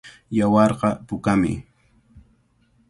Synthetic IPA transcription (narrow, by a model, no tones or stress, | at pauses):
jawɑɾqɑpʊkamɪ̰